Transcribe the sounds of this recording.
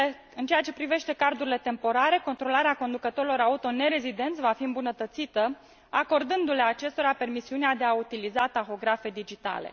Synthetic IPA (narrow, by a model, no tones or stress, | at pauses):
ɨnt͡ʃe̞at͡ʃe̞pɾive̞ʃt̪e̞kard̪uɾile̞t̪e̞mpo̞ɾaɾe̞ko̞nt̪ɾo̞laɾeako̞nd̪ukət̪o̞ɾilo̞ɾaut̪o̞ne̞ɾe̞zid̪e̞nt̪sʲvafiɨmbunət̪ət̪sit̪ə | ako̞rd̪ɨnd̪uleat͡ʃe̞st̪o̞ɾape̞rmisiunead̪e̞aut̪ilizat̪axo̞ɡɾafe̞d̪id͡ʒit̪a̰lḛ